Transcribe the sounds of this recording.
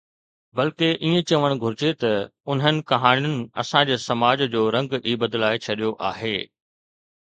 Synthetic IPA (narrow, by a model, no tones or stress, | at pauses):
bɐlkeʔiːẽt͡ɕɐʋəɽ̃ɡʱʊɾɪd͡ʑet̪ɐʊn̤ənɪ̆kɐɦaːnijʊnɪ̆ɐ̰sãd͡ʑeːsɐmaːd͡ʑd͡ʑoːɾɐ̃ŋɡiːbəd̪laːɪt͡ɕʰɐɗijoʔaːɦeː